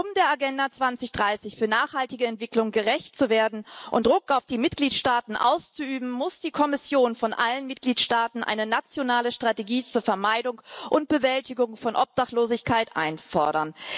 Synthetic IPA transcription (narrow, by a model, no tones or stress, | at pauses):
ʔʊmdeːɐaɡɛndat͡sv̥ant͡sɪçd̥ʁaɪsɪçfyːɐnaːχhaltɪɡəɛntv̥ɪklʊŋɡəʁɛçtt͡suveːɐdn̩ʔʊntdʁʊkaʊfd̥iːmɪt̚ɡ̥liːtʃtaːtn̩ʔa̰ʊst͡suʔyːbm̩mːʊsd̥iːkʰɔmɪsjoːnfɔnʔa̰lənmɪt̚ɡ̥liːtʃtaːtn̩ʔa̰ɪnənat͡sjonaːləʃtʁ̥ateɡiːt͡suːɐfɛɐmaɪdʊŋʔʊnt̚b̥əvɛltɪɡʊŋfɔnʔɔp̚d̥aχtloːzɪçkʰaɪtʔa̰ɪnfɔɐɾɐn